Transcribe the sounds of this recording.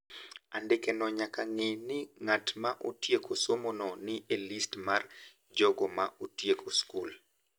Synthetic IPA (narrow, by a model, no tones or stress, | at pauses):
andɪkenɔɲakaŋɪnɪŋatmaʔotjekʰosomonɔnɪelistmar | d͡ʒɔɡɔmaotjekʰoskul